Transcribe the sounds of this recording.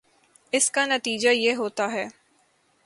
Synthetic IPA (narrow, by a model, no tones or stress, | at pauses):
ɪskanɐt̪iːd͡ʒajeɦoːt̪aɦɛː